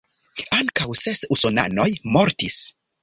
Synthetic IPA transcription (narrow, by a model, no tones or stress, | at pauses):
aŋkawsesusona̰no̞jmo̞ɾtis